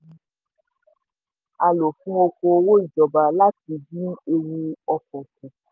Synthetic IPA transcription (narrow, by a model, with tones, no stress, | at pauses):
a˧lo˨fũ˦o˧ko˧wo˦i˦˨d͡ʒɔ˨ba˨la˦ti˧˦d͡ʒĩ˦e˧wu˧ɔ˧kɔ̃˨ku˨